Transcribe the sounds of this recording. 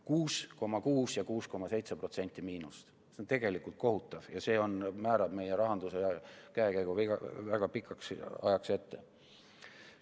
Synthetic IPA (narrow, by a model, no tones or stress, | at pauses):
kuːsko̞mːɑkuːsjɑkuːsko̞mːɑse̞jt̪sepro̞t̪se̞nʲt̪ːˑimiːnust̪ | seont̪e̞ɡ̥e̞likˑult̪̚ko̞ɦut̪ːˑɑv̥jɑse̞ːo̞nmæːɾɑb̥me̞jeɾɑɦɑnd̪useɑkæekæjɡuiɡɑvæɡ̥ɑpikʰːɑksɑjɑkse̞t̪ːe̞̰